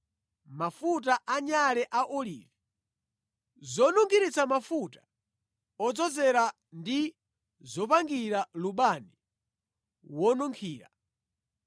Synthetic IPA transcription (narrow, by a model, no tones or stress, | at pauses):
mafut̬aʔaɲalɛʔaʔɔlḭːvi | zɔnuŋɡʰiɾit͡samafutḁ | ɔd͡zɔzɛɾa | ndi | zɔpaŋɡiɾaluɓani | wɔnuŋkʰiːɾa